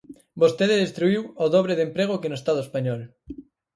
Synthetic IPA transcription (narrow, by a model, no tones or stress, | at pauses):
bost̪eðeðest̪ɾuiwoðoβ̞ɾeðempɾeɣ̞okenoest̪að̞oespaɲɔl